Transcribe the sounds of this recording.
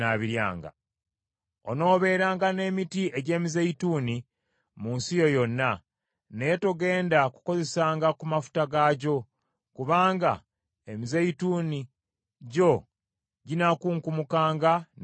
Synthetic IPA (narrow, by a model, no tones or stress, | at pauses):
aβiɾja̰ːŋɡa̰ | o̰no̞ːβe̞ːɾaːŋɡane̞ːmitieɟe̞ːmizeituːni | munsijo̞jo̞nːa | netoɡe̞ːndaku̥ko̞ze̞saːŋɡakumafu̥taɡaːɟo̞ | kuβaːŋɡa̰ | emizeituːni | ɟo̞ | ɟinakuːŋkumukaːŋɡa